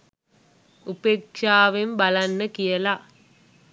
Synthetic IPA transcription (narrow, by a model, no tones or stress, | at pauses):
upekʂaːʋembalanːəkijəla